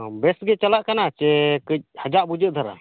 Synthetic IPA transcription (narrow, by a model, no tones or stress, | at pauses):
bɛsɡɛt͡ʃalaʔkanat͡ʃɛkəc̚had͡ʒaʔbud͡ʒəʔ̚d̪ʱaɾa̰